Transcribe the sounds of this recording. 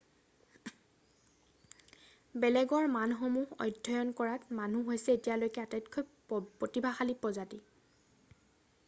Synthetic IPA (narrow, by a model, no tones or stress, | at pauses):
bɛlɛɡɔɹmanxomuhɔ̰jdʱːɔjɔnkɔɹatmanuɦojsɛetijalojkɛatajtkʰɔ | potibʱaxalipɹɔzati